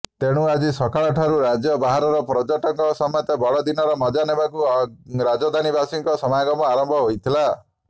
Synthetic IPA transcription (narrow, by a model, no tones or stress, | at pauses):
t̪eɽ̃uad͡ʒisɔkaɭɔʈʰaɾuɾad͡ʒjɔbaɦaɾɔɾɔpɾɔd͡ʒɔʈɔŋkɔsɔmjɔt̪ebɔɽɔd̪inɔɾɔmɔd͡ʒanebakuɾad͡ʒɔd̪ʱanibasiŋkɔsɔmajaɡɔmɔaɾɔmbʱɔɦojt̪ʰila